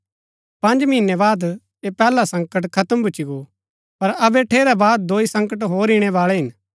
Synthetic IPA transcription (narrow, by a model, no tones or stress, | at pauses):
pɐ̃ɲd͡ʒmɪnɛbaːd̪ | epɛːlasɐ̃ŋkəʈkʰɐt̪əmbʱʊːt͡ʃiɡo | pɐɾɐbɛʈʰeːɾɛbaːd̪ːoːisɐ̃ŋkəʈ̬ɦoːɾiɽ̃ɛʋaːɭɛɦɪn